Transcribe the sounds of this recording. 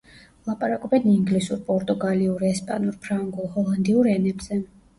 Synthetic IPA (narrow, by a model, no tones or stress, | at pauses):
lˠapʼaɾakʼɔbɛniŋɡlisuɾpʼɔɾt̪ʼuɡaliuɾɛspʼanuɾpʰɾaŋɡulˠhɔlˠand̪iuɾɛnɛbz̥ɛ